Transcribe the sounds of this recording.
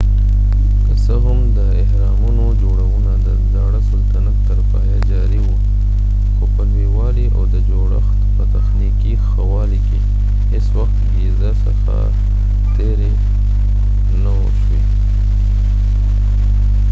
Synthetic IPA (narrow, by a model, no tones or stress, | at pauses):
kəsəɦʊmd̪əɪhɾɑmunod͡ʒoɽawunad̪əd̪aɽasəlt̪anak̚t̪əɾtɑjad͡ʒɑɾiwu | xopəɦewɑliʔa̰wd̪əd͡ʒoɽa̰xt̪pət̪axnikixawɑlike | heswaxt̪jezəsəxa̰ | t̪eɾe | no | ʃwe